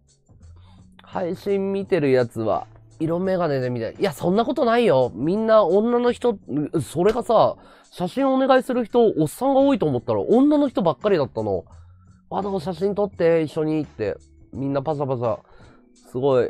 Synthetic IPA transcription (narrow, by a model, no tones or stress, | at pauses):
haiɕĩmːʲit̪e̞ɾɯ̟jat͡sɨβa̰ | iɾo̞mme̞ɡane̞d̪e̞mʲit̪ajasõ̞nːako̞t̪o̞naijo̞mʲĩnːaõ̞nːano̞çi̥t̪o̞so̞ɾe̞ɡasa | ɕaɕĩɰ̃o̞ːne̞ɡaisɨɾɯ̟çi̥t̪o̞ʔːsːãŋɡao̞ːit̪o̞ːmot̪ːaɾa̰ʔõ̞nːano̞çi̥t̪o̞bakːaɾʲid̪at̪ːano̞̰ | βad̪oːɕ̬aɕĩnt̪o̞t̪ːe̞iɕːo̞ɲ̟iːt̪ːe̞̰ | mʲĩnːapas̬apasa̰ | sɨɡo̞i